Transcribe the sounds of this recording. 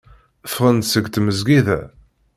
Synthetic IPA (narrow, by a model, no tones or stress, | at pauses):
fʁənt̪səɡt̪məzɡiðæ̰